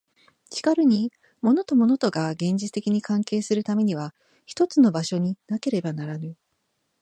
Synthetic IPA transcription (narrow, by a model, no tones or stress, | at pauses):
t͡ɕi̥kaɾɯ̟ɲ̟i | mo̞no̞t̪o̞mo̞no̞t̪o̞ɡaɡẽ̞ɲ̟d͡ʑit͡sɨ̥t̪e̞kʲiɲ̟ikãŋke̞ːsɨɾɯ̟t̪ame̞ɲ̟iβ̞a | çi̥t̪o̞t͡sɨno̞baɕo̞ɲ̟inake̞ɾe̞banaɾanɯ̟